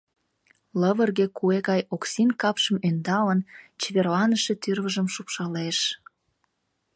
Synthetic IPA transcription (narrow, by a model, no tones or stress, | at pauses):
ləβərɣekueɣɑjoksinkɑpʃəmønd̪ɑlənt͡ɕeβerlɑnəʃe̽t̪yrβəʒəmʃupʃɑleʃ